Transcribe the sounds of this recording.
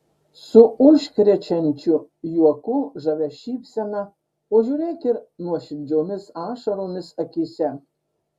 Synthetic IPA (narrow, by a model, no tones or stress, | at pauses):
sʊʊʃʲkʲɾʲɛt͡ʃʲɛnʲt͡ʃʲʊ | juɔkʊʒɐʋʲɛʃʲiːpʲsʲɛnɑ | oːʒʲuːɾʲeːk̪ʲɪɾnuɔʃʲɪd͡zʲoːmʲɪsɑːʃɐɾoːmʲɪsɐkʲisʲɛ